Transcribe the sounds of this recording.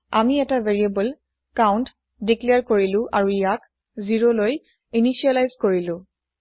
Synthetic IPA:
a̰miɛtaveɹiabɔl | kawnt | dikleaɹkoɹilʊ̃ʔaɹuijak | ziɹoloj | iniʃialajzkoɹilʊ̃

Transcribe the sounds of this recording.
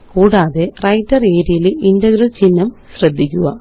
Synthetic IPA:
kuːɽaːðerɐjtːɐre̞ːɾijilindɐɡɾɐlt͡ɕinːɐmɕrɐd̪ʱːikʲːuɣɐ

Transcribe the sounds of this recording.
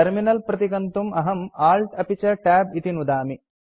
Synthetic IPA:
ɐɾminɐlpɾɐt̪iɡɐnt̪umɐɦɐmaːlʈɐpit͡ʃɐʈaːbit̪inud̪aːmi

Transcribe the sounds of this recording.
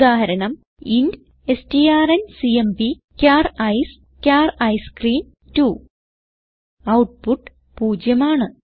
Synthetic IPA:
d̪aːɦɐɾɐɳɐm | ind | estiaːrɐnsiempi | kʲaːrɐjs | kʲaːrɐjskriːn | tu | ɐwʈ̚puʈː | puːd͡ʑjɐmaːɳɨ

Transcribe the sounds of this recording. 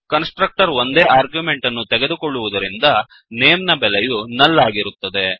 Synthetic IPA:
kɐnsʈɾɐk̚ʈɐɾo̞nd̪eːaːɾɡjume̞ɳʈɐnːut̪ɛɡe̞d̪ukoɭːuʋud̪ɐɾind̪ɐ | neːmnɐbɛlejunɐlːaːɡiɾut̪ːɐd̪e̞

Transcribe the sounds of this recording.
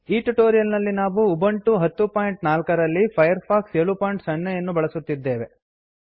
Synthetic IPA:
iːʈuʈoːɾijɐlnɐlːinaːʋuːbɐɳʈuɦɐt̪ːupaːjɳʈnaːlkɐɾɐlːipʰɐjɐɾpʰaːkseːɭupoːjɳʈsɐɳːɛjɐnːubɐɭɐsut̪ːid̪ːe̞ːʋe̞

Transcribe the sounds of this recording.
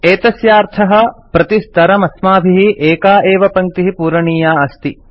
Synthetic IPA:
eːt̪ɐsjaːɾt̪ʰɐɦɐ̆pɾɐt̪ist̪ɐɾɐmɐsmaːbʱiɦiʔeːkaːʔeːʋɐpɐŋk̚t̪iɦipuːɾɐɳiːjaːɐst̪i

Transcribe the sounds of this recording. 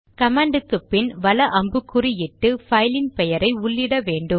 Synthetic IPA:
kɐmaːɳɖɯkːɯpːɪnʋɐlɐʔɐmbɯkːʊɾijɪʈːɯfɐɪlɪnpɛjɐɾɐɪʊɭːɪɽɐʋeːɳɖɯm

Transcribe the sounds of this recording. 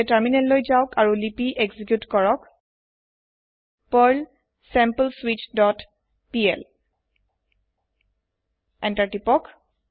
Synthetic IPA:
təɹminɛllojzaʊkaɹulipiʔeɡzikjutkɔɹɔk | pəɹl | sɛmpəlswit͡ʃdɔt | piɛ̰l | ɛntaɹtipɔk

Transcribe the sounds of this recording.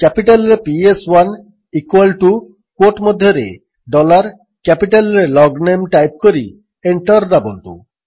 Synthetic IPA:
kɛpiʈalɾepieswan | ikuwalʈu | kwoʈmod̪ʱjoɾḛ | ɖɔlaɾ | kɛpiʈalɾelɔɡnemʈajp̚koɾḭ | eɳʈɔɾd̪abont̪ṵ

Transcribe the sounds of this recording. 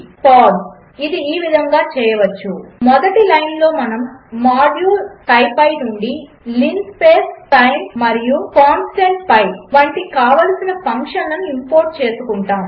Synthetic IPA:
paːɖs | id̪iiːʋid̪ʱɐŋɡaːt͡ʃɛːjɐʋɐt͡ʃːumɔd̪ɐʈilɐjnlo̞ːmɐnɐmːaːɖjuːɾkɐjpɐjʈuɳɖi | liŋspeːsʈɐjmːɐɾijukaːnsʈeɳʈpɐjʋɐɳʈikaːʋɐlɐsinɐpɐŋkʂɐnɐnuimpoːɾʈ̚t͡ʃe̞ːsukuɳʈaːm

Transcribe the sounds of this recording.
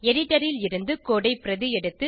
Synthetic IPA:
ɛɽɪʈːɐɾɪlɪɾɯnd̪ɯkoːɽɐɪpɪɾɐðɯjɛɽɯt̪ːɯ

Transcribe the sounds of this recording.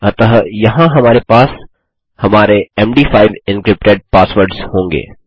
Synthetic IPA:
ət̪ɐɦjɐɦãɦɐmaːɾepaːs | hɐmaːɾeɛːmɖiːfʰaːɪʋɪ̃nkɾɪp̚ʈeːɖ̚paːsʋəɾɖshõːŋɡḛː

